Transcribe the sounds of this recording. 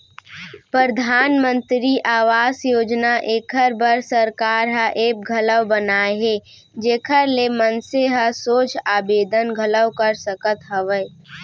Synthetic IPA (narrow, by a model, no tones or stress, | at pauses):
pɾəɾd̪ʱaːnmə̃nt̪ɾiʔaːʋaːsjoːd͡ʒnaʔeːkʰəɾbəɾsəɾkaːɾɦəʔeːk̚ɡʱɐləwbənaːeɦeː | d͡ʒeːkʰəɾlemənseɦəsoːt͡ʃaːbeːd̪ənɡʱələwkəɾsəkət̪ɦəʋə